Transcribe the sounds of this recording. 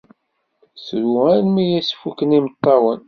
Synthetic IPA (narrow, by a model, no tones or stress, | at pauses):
sɾuænmijæsfukːənimət̪ˤːɑwən